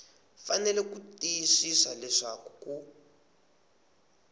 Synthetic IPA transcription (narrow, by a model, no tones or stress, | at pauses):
fanɛlɛkutiʃisalɛʂakuku